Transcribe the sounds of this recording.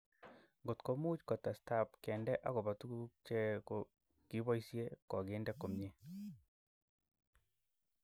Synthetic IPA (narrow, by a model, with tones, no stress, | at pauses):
ŋɡo˨tko˨mu˦t͡ʃkɔ˨ta˨sta˦˨pkɛ˨ndɛ˦ʔa˦ɣo˨βa˨tu˦t͡ʃɛ˦ko | ki˨˦βɔ˦i˦sje˦kɔ˨ɡe˨˦ndɛ˦ko˨mɲe˦